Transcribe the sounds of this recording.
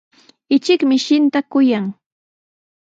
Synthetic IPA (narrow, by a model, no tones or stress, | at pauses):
ɪt͡ʃɪkmɪʃɪnt̪akʊjaŋ